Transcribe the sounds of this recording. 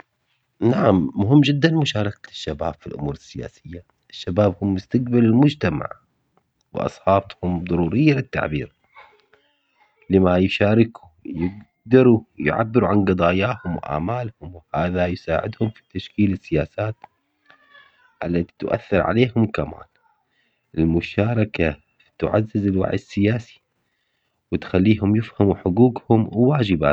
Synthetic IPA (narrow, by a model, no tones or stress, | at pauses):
naʕamːʊɦɪmːd͡ʒɪd̪ːanmʊʃaːɾˤɑkaʃːabaːb̥filʔʊmuːɾɪsːɪja̰ːsɪjːa | ʔɪʃːabaːbhʊmːɪst̪aq̚balɪlmʊd͡ʒt̪ama̰ʕ | w̰ʔɑ̰sˤħɑːhʊmd̪ˤɑɾuːɾɪjːalɪt̪ːa̰ʕbiːɾ | lɪmajʃaːɾɪku | jɪɡ | d̪ɑɾujʕa̰bːɪɾuʕanɡɑd̪ˤɑːjaːhʊmwʔa̰ːmaːlhʊmwhaːðajsaːʕɪd̪hʊmfi̥t̪aʃkiːlɪsːɪjaːsaːt̪ | ʔalːat̪i̥t̪ʔa̰θːɪɾʕa̰leːhʊmkama̰ːl | ʔɪlmʊʃaːɾˤɑka | t̪ʊ̰ʕa̰zːɪzɪlwa̰ʕjɪsːɪjaːsi̥ | wɪt̪xalːiːɦʊmjɪfhamuħʊɡuːɡhʊmwwaːd͡ʒɪba̰